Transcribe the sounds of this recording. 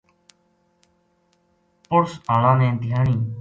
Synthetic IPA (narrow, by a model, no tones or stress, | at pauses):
pʊɾsaːlãːnẽːnt̪ɪɦaːɳiː